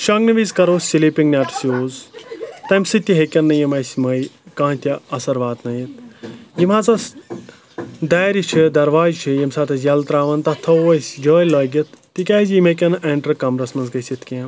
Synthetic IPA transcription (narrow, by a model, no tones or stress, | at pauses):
ʃɐŋɡnɐʋizkɐɾoːsilipiŋɡnʲaʈsijoːzt̪ɐmsɨt̪ʲːiɦekʲɐnːɐjɐmɐjsʲməjkãːt̪ʲiɐsɐɾʋaːt̪nɐjit̪̚ʰjimat͡sɐs | d̪aːjɾit͡ʃʰid̪ɐɾʋaːd͡ʒt͡ʃʰijimsaːt̪ʰɐsjɐlt̪ɾaːʋɐnt̪ɐt̪ʰɐʋɐjsʲd͡ʒəːjlɐːɡʲɐt̪̚ʰːikʲaːzjimɐkʲɐnʔeːɳʈɐɾkɐmɾɐsmɐnsɡɐjsʲit̪ʰkʲẽm